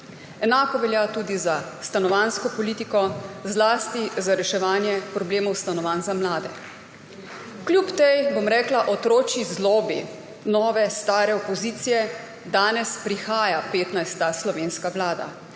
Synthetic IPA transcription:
ɛnaːkɔʋɛljat̪uːd̪izast̪anɔʋanskɔpɔliːt̪ikɔzlaːst̪izaɾɛʃɛʋaːnjɛpɾɔbleːmɔwst̪anɔʋaːnzamlaːd̪ɛ | klʲjupt̪ejbomɾɛːklaʔɔt̪ɾoːt͡ʃizlɔːbḭ | nɔːʋɛst̪aːɾɛɔpɔziːt̪sijɛ | d̪aːnɛspɾixaːjapeːt̪najst̪aslɔʋeːnskaʋlaːd̪a̰

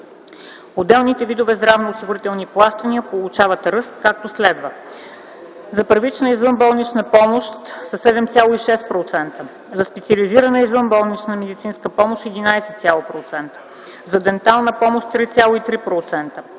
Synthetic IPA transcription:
od̪ɛlˠnit̪ɛvid̪ovɛzd̪ɾavnoːsiɡʊɾit̪ɛlˠniplˠaʃt̪əniəpolˠut͡ʃavɐt̪ɾɤst̪̚kak̚t̪oslɛd̪və | zɐpəɾvit͡ʃnəizvɤnbɔlˠnit͡ʃnəpɔmoʃt̪sɐsɛd̪ɛmt̪sʲjalˠoiʃɛspɾot̪sɛnt̪ə | zɐspɛt̪siɐliziɾənəizvɤnbɔlˠnit͡ʃnəmɛd̪it̪sinskəpɔmoʃt̪ɛd̪inajsɛt̪sʲjalˠopɾot̪sɛnt̪ə̥ | zɐd̪ɛnt̪alˠnəpɔmoʃt̪t̪ɾit̪sʲalˠoit̪ɾipɾot̪sɛnt̪ə

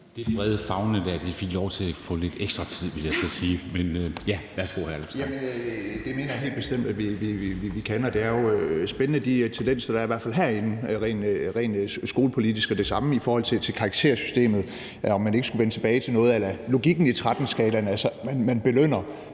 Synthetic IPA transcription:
d̥e̝̥b̥ʁɛð̞ˠfɑ̈ʊnəd̥æɐd̥efeɡ̥lɒʊt͡sʰe̝læfɔ̽le̝d̥eɡ̥sd̥ʁɐt͡sʰið̞̰ˠʋeljaɪsɒsiːmenjæʋæɐsɡ̥o̝̰hæɐlemsjæmənd̥e̝me̝̰ːnɐjaɦe̝̰ːld̥̚b̥e̝sd̥em̰d̥æʋiʋiiʋiʋikʰænɒ̽d̥e̝æɐjo̝sb̥enənəd̥it͡sʰend̥en̰sɐd̥ɑ̈ɐiʋæɐfælɦæɐ̰e̝nn̩ʁɛ̰ːnʁɛ̰ːnsɡ̥o̝ːləpʰo̝lidisɡ̥ɒd̥e̝sɑ̈məifɒːhɒ̽l̰t͡sʰe̝t͡sʰe̝lkʰɑ̈ɡ̥̚t͡sʰe̝̰ɐsy̥sd̥e̝̰ːmð̩ˠ | ɒ̽mːæne̝ɡ̥əsɡ̥uʋent͡sʰe̝b̥ɛːɪt͡sʰe̝lnɔ̽ːð̩ˠelɐlo̝ɡ̥iɡ̥n̩it͡sʰʁad̥n̩sɡ̥ɛ̰ːlɐnælsɒmænmænb̥e̝løn̰ɐ

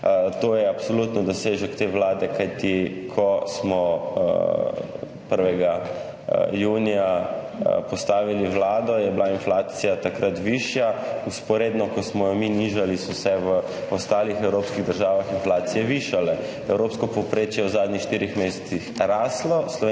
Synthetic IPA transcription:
t̪oːjɛapsɔlut̪nɔd̪ɔseʒɛkt̪eːʋlaːd̪ɛkajt̪ikʰɔsmɔ̰ | pəɾʋɛɡa | juːnija | pɔst̪aːʋiliʋlaːd̪ɔjɛblainflaːt̪sijat̪akɾat̪ʋiʃjauspɔɾeːd̪nɔkɔsmɔjɔminiʒalismɔsɛʋə | ɔst̪aːlixɛwɾoːpskiɣd̪əɾʒaːʋaxinflaːt̪sijɛʋiʃalɛ | ɛwɾopskɔpɔpɾet͡ʃjɛwzaːd̪nɲixʃt̪iːɾixmesɛ̥t̪sixɾaːslɔslɔʋe

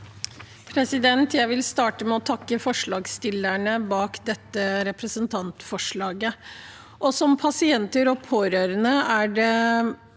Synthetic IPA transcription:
pʰɾɛsɪd̪ɛnt̪jæɪʋɪlst̪ɑːʈəmɛɔt̪ʰɑkːəfɔʂɭɑːɡst̪ɪlːæɳəbɑːkd̪ɛt̪ːəɾɛpɾəsənt̪ʰɑnt̪fɔʂɭɑːɡə | ʔɔsɔmpʰɑsɪɛnt̪əɾɔpʰoːɾøːɾənəæɖɛ

